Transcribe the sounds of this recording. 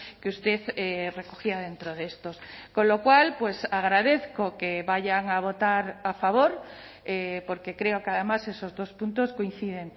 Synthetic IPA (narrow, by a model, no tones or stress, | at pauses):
keust̪eθerekoxiað̞ent̪ɾoðest̪oskõnlokwalpwesaɣ̞ɾaðeθkokeβaʝaŋaβot̪aɾafaβ̞oɾ | epoɾkekɾeokeaðemasesozðospũnt̪oskoĩn̟θið̞eŋ